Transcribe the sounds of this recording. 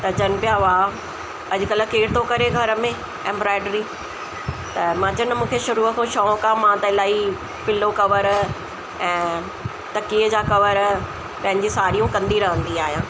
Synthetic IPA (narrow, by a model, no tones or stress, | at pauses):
t̪ɐd͡ʑɐnpɪjaʋaː | ɐd͡ʑʊkɐlkeːɽɪt̪ʰokɐɾeɡʱɐɾəmẽ | ɛ̃ːmbɾaːɪɖɾiː | t̪ɐmãːd͡ʑɐnmũːkʰeʃʊɾuːəkʰõʃɔːkãmãːt̪ɐɪlaːi | pɪlokɐʋəɾ | ɛ̃ː | t̪ɐkiːəd͡ʑakɐʋəɾ | pɐ̃ɦɪ̃ɲd͡ʑisaːɾijũkɐ̃nd̪iɾɐɦə̃nd̪iaːɦijãː